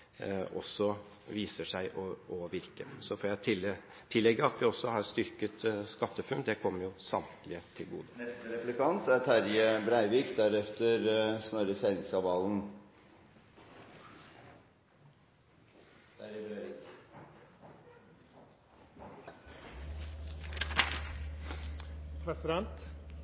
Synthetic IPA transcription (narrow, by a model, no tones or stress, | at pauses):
ʔɔsːɔ | ʋiːsəʂæɪʔɔɔʋɪɾkəsɔfɔɾjæɪt̪ʰɪl | t̪ʰɪlːɛɡːəɑt̪ʋɪɔsːɔhɑɾst̪ʏɾkət̪skɑt̪ːəfʉnd̪ɛkʰɔmːəɾjʊsɑmt̪lɪət̪ʰɪlɡṵːd̪ənɛst̪əɾɛflɪkʰɑnt̪æɾʈʰæɾjəbɾæɪʋiːkd̪æɾɛft̪əɾsnɔɾəsæɪnɪŋsɑʋɑːln̩ | æɾbɾæʋik | pʰɾɛsɪd̪ɛnt̪